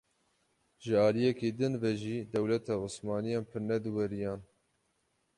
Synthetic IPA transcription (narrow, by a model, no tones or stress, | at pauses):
ʒɨɑːlijɛkeːd̪ɨnvɛʒiːd̪ɛwlɛt̪ʰɑːʊsmɑːnijɑːnpʰɨɾnɛd̪ɨwɛɾijɑːn